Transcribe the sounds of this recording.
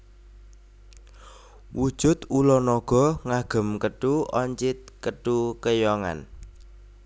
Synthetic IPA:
wud̥ʒ̥ʊt̪ulɔnɔɡ̥ɔ̤ŋaɡ̥ə̤mkəɖ̥uɔɲt͡ʃɪt̪̚kəɖukəjɔŋa̰n

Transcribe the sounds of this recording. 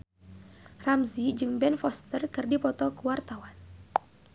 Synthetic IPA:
ramzid͡ʒɨŋbɛnfɔst̪ərkɨrdipɔt̪ɔkəwart̪awan

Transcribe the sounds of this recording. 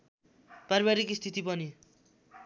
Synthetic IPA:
praɾibaɾikist̪ʰit̪ipʌni

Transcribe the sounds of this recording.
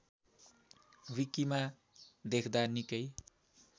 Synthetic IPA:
wikima | d̪ekʰd̪anikʌj

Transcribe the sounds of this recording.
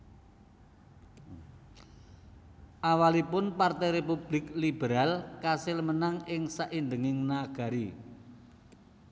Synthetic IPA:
ʔawalipʊnpart̪ɛjɾepub̥lɪklib̥eɾalkasɪlmənaŋɪŋsaʔind̪əŋɪŋnaɡ̥a̤ɾi

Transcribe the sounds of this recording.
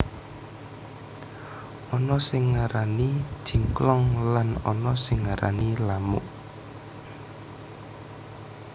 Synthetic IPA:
ʔɔnɔsɪŋːaɾani̥ʒ̥i̤ŋklɔŋlanɔnɔsɪŋːaɾa̰nilamʊ̰ʔ

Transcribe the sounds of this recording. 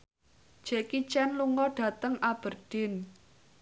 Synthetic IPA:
d͡ʒ̥ekit͡ʃɛnluŋɔɖ̥ä̤t̪əŋab̥ə̤rɖ̥ɪn

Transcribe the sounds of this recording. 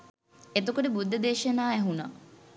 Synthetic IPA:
et̪okuʈebud̪ʱːɐd̪eːʃɐnaːæɦuna̰

